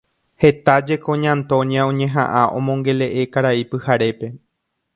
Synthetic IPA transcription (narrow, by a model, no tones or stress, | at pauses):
he̞t̪ad͡ʒe̞kõ̞ɲãnt̪o̞ɲjãõɲẽ̞ɦã̰ʔãʔõ̞mõ̞ŋɡe̞le̞ʔe̞kaɾaipɨhaɾe̞pe̞